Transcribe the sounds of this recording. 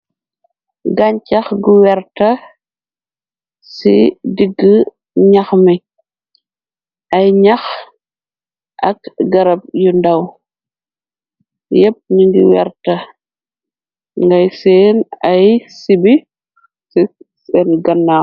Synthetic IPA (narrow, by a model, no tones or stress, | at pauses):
ɡɐɲcɐxɡuwɛɾtɐ | sḭdiɡːə | ɲɐxmi | ʔɐjɲɐx | ʔɐkɡɐɾɐp̚jundɐw | jɛp̚ɲuŋɡḭwɛ̰ɾtɐ | ŋɡɐjsɛːnɐjsibi | si | sɛnɡɐnːaː